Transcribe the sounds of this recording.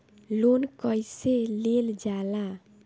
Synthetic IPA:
lonkəjseleld͡ʒalã

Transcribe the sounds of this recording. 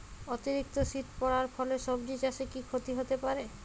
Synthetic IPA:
ot̪iɾik̚t̪oʃit̪pɔɾaɾfʰɔleʃɔbɖid͡ʑaʃekikʰot̪iɦot̪epaɾe

